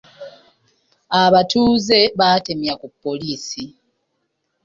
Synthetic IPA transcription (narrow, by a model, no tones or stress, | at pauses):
aβatuːze̞βate̞mjakupːo̞liːsi